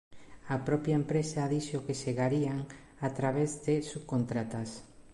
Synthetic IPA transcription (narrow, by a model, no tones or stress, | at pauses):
apɾɔpjaempɾesaːðiʃokeʃeɣaɾiaŋ | at̪ɾaβ̞ezðɪsuβkont̪ɾat̪as